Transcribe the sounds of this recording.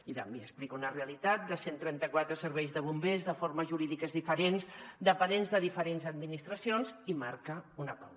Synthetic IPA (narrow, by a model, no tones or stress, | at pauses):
it̪ambeəsplikunəreəlit̪at̪̚d̪əsent̪ɾɛnt̪əkwat̪ɾəsəɾβɛjzðəβ̞umbezðəfoɾməzʒuɾiðikəzðifəɾenzd̪əpəɾenzðəðifəɾenzəd̪̚minist̪ɾəsionzimaɾkəunəpa̰w